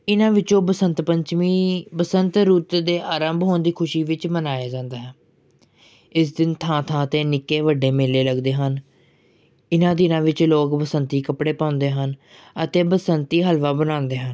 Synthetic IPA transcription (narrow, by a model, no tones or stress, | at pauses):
ɪnãːʋɪt͡ʃõːbəsənt̪pəɲt͡ʃmiːbəsənt̪ɾuːt̪d̪eːʔaːɾəmbɦoːnd̪iːkʰʊʃiːʋɪt͡ʃmənaːjaːd͡ʒãːnd̪aːɦɛː | ɪs̬d̪ɪnt̪ʰãːt̪ʰãːət̪eːnɪkːeːʋəɖeːmeːleːləɡd̪eːɦən | ɪnãːd̪ɪnãːʋɪt͡ʃloːkbəsənt̪iːkəpɽeːpãːʊ̃nd̪eːɦən | ət̪eːbəsənt̪iːɦəlʋaːbənãːnd̪eːɦən